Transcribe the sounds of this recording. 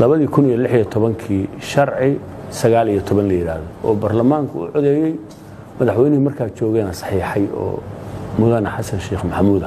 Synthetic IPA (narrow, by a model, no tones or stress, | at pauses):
lɐβɐðiːkʰʊnijɔlɪħijɔt̪ʰɔβɐŋkʰiːʃɐrʕɪ | sɐɣaːlijɔt̪ʰɔβɐnlɐjɪɾa̰ːðɔʔɔːbɐrlɐmaːŋkʰʊʊ̰ʕɔðɛjɛj | mɐðɑħwɛjnɪhʊmɐrkʰaːt͡ʃɔːɣɛːnɐsɑ̥ħiːħɑjɔ̰ːmʊðɐnɐħɑsɐnʃɛːχmɐħmuːd̪ɐ